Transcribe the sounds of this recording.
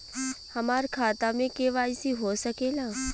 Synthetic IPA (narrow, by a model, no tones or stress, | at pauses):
hɐmaːɾkʰaːt̪amẽkeʋaːɪsiɦosəkeːlaː